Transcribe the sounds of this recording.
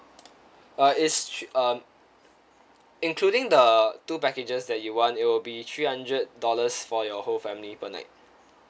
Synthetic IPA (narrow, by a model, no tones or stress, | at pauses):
ʌɪsʌm | ɪ̃nkʰluɾɪ̃ŋdətupɛkɪd͡ʒəsdɛt̚juwɔ̃nɪt̚wɪlbit̪ʰɹiːhãndɹəd̚dɔləsfɔjɔholfɛ̃mlipəna̰ɪt̚